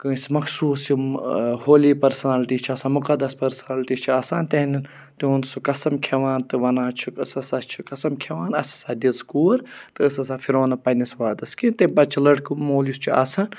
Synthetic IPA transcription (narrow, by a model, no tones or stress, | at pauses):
kɨ̃ːsimɐksuːsihoːliːpɐɾsɐnaːlʈiːst͡ʃʰiɐːsaːmʊkɐd̪ɐspɐɾsɐnaːlʈiːt͡ʃʰiaːsaːnt̪eɦnin | t̪iunsukɐsɐmkʰeʋaːnt̪ɨʋɐnaːt͡ʃʰukɐsɐsat͡ʃʰi̥kɐsɐmkʰeʋaːnɐsɐ̥saːd̪izkuːɾt̪ɨɐsɐsaːfʰiɾoːnɐpɐnisʋaːd̪ɐskĩnt̪ebɐt͡ʃʰilɐɽkɨmoːljust͡ʃʰiʔaːsaːn